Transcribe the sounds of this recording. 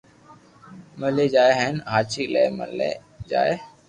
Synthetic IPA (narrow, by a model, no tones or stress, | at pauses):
məleːd͡ʒaːeɦənɦaːt͡ʃiːlḛːmə̰lḛː | d͡ʒa̰ːeː